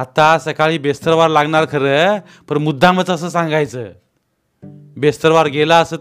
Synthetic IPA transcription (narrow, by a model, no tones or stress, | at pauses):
at̪asəkaɭiːbest̪əɾʋaɾlaɡɳaɾkʰəɾə | pənmud̪ʱːãmət͡səsəːsãŋɡajt͡sə | best̪əɾʋaɾɡelaəsə